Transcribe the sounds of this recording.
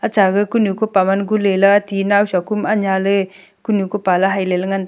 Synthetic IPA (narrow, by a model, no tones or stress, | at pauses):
at͡ʃaɡɯkunukopamanɡulelɯatinawsakumaɲalɯ | kunukopalaɦajlelɯŋand